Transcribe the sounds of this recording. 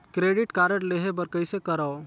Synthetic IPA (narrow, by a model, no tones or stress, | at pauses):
kɾeɖiʈkaɾəɽleɦebəɾkəɪsekəɾəo